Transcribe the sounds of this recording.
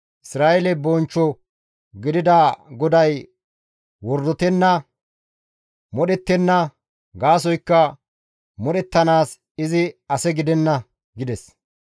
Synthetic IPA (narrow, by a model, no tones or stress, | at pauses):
ʔɪsɾaːʔɛlɛbɔnt͡ʃːɔ | ɡɪd̪ɪd̪aɡɔd̪ɐj | wɔɾd̪ɔt̪ɛnːɐ | mɔɗɛt̪ːɛnːɐ | ɡaːs̬ɔjkːɐ | mɔɗɛt̪ːɐnaːs | ɪzɪɐsɛɡɪd̪ɛnːɐ | ɡɪd̪ɛs